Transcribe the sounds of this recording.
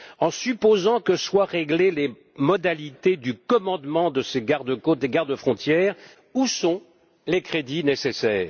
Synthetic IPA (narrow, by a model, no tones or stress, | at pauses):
ɑ̃sypozɑ̃kəswaʁeɡlele | mɔd̪alit̪ed̪ykɔmɑ̃d̪mɑ̃d̪əseɡaʁd̪əkot̪̚d̪eɡaʁd̪əfχɔ̃t̪jɛːʁ | usɔ̃ | lekχed̪inesesɛːʁ